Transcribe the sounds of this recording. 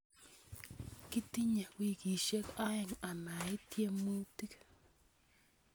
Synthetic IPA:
ki˦t̪i˦ɲa˨wi˨ki˨ʃe˦ka˦ja˨ŋa˨ma˨i˦t̪je˦mu˦ti˦k

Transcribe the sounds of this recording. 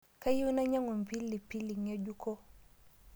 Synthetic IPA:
ka˦ji˦u˦na˦ɲa˦ŋɛ˨m˨pi˦lːi˨pi˦li˨ŋa˦ɟu˦kʰɔ˦

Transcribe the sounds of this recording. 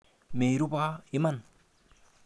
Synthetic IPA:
me˨ɾu˦pa˦i˦ma˦n

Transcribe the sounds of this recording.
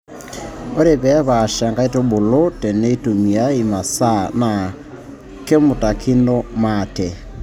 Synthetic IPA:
o˦ɾe˨βɛ˦βa˨ʃa˨ŋɡa˦i˦to˦bo˨lo˦tɛ˨ne˦i˦tu˨mi˨a˦i˨ma˨sa˦na˨ | ke˦mo˨ta˨kʰi˦no˦matɛ˨

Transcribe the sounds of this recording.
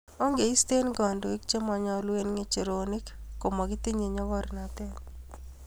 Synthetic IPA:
o˦ŋɡe˨i˦st̪e˦nɡɔ˨ndo˨i˦k̚t͡ʃe˦mɔ˨ɲɔ˦lwe˦nŋe˦t͡ʃe˨ɾoni˦kkːo˨ma˨ɡɪ˦t̪i˦ɲe˨ɲɔ˦ɡɔ˦ɾna˨t̪ɛ˦n

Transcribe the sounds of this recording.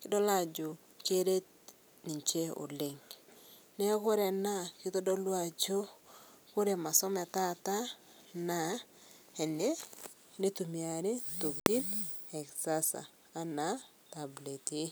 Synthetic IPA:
kɪ˦dɔ˦la˦d͡ʒʊ˨ | t͡ʃe˦ɾe˦t̚ | ni˨ɲt͡ʃe˦o̰˨lɪ˨ŋ | nɛ˦kʊ˦ɾe˨na˦kɪ˦tɔ˦dɔ˦lwa˨t͡ʃo˦kʊ˦ɾe˨ma˨sɔ˦mɛ˨ta˦ta˦ | na˨ | ɛ˨ne˦ | ne˦tu˨mia˨ɾe˦to˨kti˦nɛ˨ksa˦sa̰ː˨˦ | na˨˦ | ta˨ble˨tɪ˦

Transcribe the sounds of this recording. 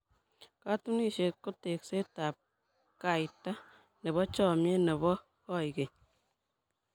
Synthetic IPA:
katu˦ni˦ʃe˨t̚ko˦te˨kse˦taːp̚ | ka˨jta˦ | ne˨βɔ˦t͡ʃɔ˨mje˦ne˨βɔ˦ | kɔ˦jke˨

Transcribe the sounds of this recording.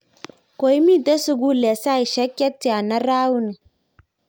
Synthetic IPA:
ko˨i˦mi˦ta˦su˨˦ɡu˦le˨sa˦i˨ʃa˦kʲːa˦tːi˨a˨na˦ɾaː˦wu˦ni˨

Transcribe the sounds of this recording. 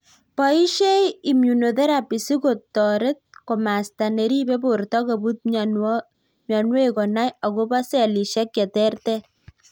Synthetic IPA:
pɔ˨i˦ʃe˦ji˨mju˨no˨tɛ˦ɾa˨pi˨si˦ko˨tːɔ˨ɾe˦t̪̚ko˨ma˨sta˨ne˨ɾi˦be˦bo˨ɾtɔ˦ko˨bu˦t̪̚ | mjɔ˨nwe˦kɔ˨na˦ja˨ko˦ba˦sɛ˨li˨ʃɛ˦kjɛ˨tɛ˦rt̪ɛ˦

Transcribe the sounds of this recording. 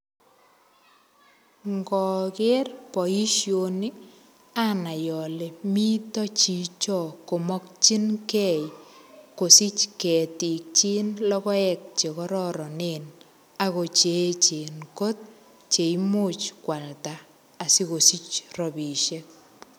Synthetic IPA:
ŋɡɔ˨ke˦rpɔ˨i˦ʃjoni˦ | a˦na˨jɔ˨le˨mi˦tɔ˦t͡ʃi˨t͡ʃɔ˨ko˨mɔ˦kt͡ʃi˦nkɛ˦˨jko˨si˦t͡ʃkɛ˨ti˨k̚t͡ʃi˦nlɔ˦kɔ˦ɛ˨k̚t͡ʃe˨kɔ˦ɾɔ˦ɾɔ˨neːn | a˨ko˨t͡ʃet͡ʃe˨nko˦t̚ | t͡ʃe˨imo˦t͡ʃkwa˨ltaː˨ | si˦ko˨si˦t͡ʃrɔ˨bi˨ʃek̚

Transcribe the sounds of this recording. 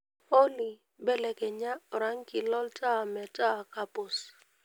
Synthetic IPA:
o˦li˨ | bɛ˦lɛ˨kɛ˨ɲa˦ɔ˨ɾa˦ŋ˦ki˨lɔ˦ltʰʼa˦˨mɛ˨tʼa˦˨ka˦pʊ˨s

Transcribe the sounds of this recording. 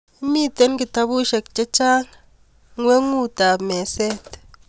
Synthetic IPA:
i˦mi˦˨t̪e˦nki˨ta˧bu˦ʃe˨k̚t͡ʃe˦t͡ʃaː˦n | ŋwe˦ŋu˦˨ta˨me˨se˦˨t̪

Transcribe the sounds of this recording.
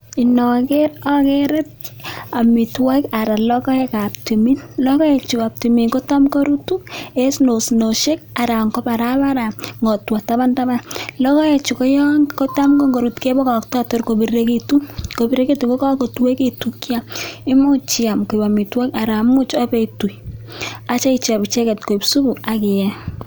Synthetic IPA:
i˨nɔ˨ke˦ɾɔ˦keɾe˦t̚a˨mi˨twa˦ka˨ɾa˨lɔ˦kɔ˦e˦ka˨pti˨mi˦nlɔ˦kɔ˦e˨t͡ʃu˨ka˨p̚ti˨mi˨nko˦ta˦mko˦ɾu˦tu˦e˦sno˨sno˨ʃe˦k̚a˨ɾa˨ŋkɔ˦ba˨ɾa˦ba˦ɾa˨ŋɡɔ˨twa˨ta˦ba˦nta˦ba˦nlɔ˦kɔ˦e˨t͡ʃu˨kɔ˦jɔ˦ŋko˦ta˦mɡo˦ŋɡo˨ɾu˨tke˦bɔ˦ka˨ktɔ˦to˦ɾko˨biɾe˦ke˦tu˦ko˨bi˦ɾe˦ke˦tu˨ko˦ka˦ko˨twe˦ke˦tu˨kja˦mɪ˦mu˦t͡ʃia˨mko˨ba˨mi˨twɛ˦ka˨ɾa˨mu˦t͡ʃɔ˦pe˨tu˨j | a˨t͡ʃa˦i˨t͡ʃa˨bt͡ʃɛ˦kɛ˨t̚ko˨i˨psu˦bu˨a˨kɪ˨jɛ˦

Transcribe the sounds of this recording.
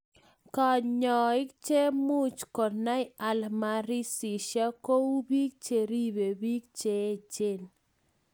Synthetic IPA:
ka˨ɲɔ˨ɪ˦k̚t͡ʃe˦mu˦t͡ʃkɔ˨na˦ɪ˦a˨lma˨ɾi˦si˨ʃa˦ko˦u˦bi˦k̚t͡ʃe˨ɾi˦be˨bi˦k̚t͡ʃe˨˦˨t͡ʃe˦˨n

